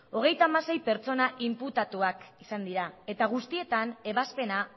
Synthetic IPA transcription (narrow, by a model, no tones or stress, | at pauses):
o̞ɣ̞e̞jt̪aːmase̞jpe̞ɾt͡so̞naʔimput̪at̪uakisand̪iɾae̞t̪aɣ̞ust̪ie̞t̪ane̞βaspe̞na